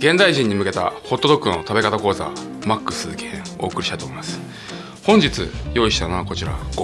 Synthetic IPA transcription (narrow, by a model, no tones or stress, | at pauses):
ɡ̥ẽ̞nd̪aiʑĩɲ̟ːimɯ̟ke̞t̪a̰ho̞t̪ːod̪o̞kɯno̞t̪abe̞kat̪ako̞ːza̰ | makːɯ̟̥sɨkẽo̞ːkɯ̟ɾʲiɕit̪at̪oːimasɨ̥ | hõ̞ɲd͡ʑit͡sɨ̰jo̞iɕi̥t̪anoako̞t͡ɕiɾa̰ɡ